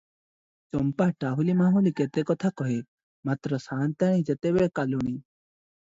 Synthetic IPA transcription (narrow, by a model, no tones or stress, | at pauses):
t͡sɔmpaʈaɦulimaɦuliket̪ekɔt̪ʰakɔɦe | mat̪ɾɔsant̪aɽ̃ĩd͡ʒet̪ebekaluɽ̃i